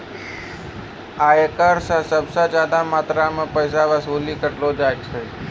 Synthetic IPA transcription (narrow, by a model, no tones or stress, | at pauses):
aekəɾsãsəbsad͡ʒaːd̪amaːt̪ɾamə̃pəjs̬aʋasolikəʈlod͡ʒaːɡt͡ʃʰəj